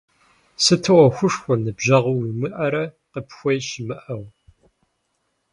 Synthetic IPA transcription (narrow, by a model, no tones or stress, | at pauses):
sɨtʰɨwɐxʷʊʂxʷʊrnɨbʑɐʁwmɨʔɐɾɐ | qəpxʷɔjʃɪmɨʔɐw